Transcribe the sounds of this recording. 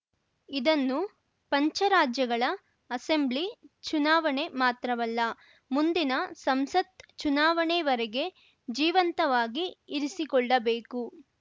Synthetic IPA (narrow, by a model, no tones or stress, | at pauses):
id̪ɐnːu | pɐɲt͡ʃɐɾaːd͡ʒjɐɡɐɭɐ | ɐse̞mblit͡ʃunaːʋɐɳemaːt̪ɾɐʋɐlːɐ | mund̪inɐsɐmsɐt̪t͡ʃunaːʋɐɳeʋɐɾɛɡe̞ | d͡ʒiːʋɐnt̪ɐʋaːɡiːɾisikɔɭːɐbeːku